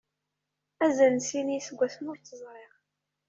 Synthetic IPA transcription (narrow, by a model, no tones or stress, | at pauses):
æzænsinijsəɡʷːæθmʊɾt̪ːəzˤɾˤeʁ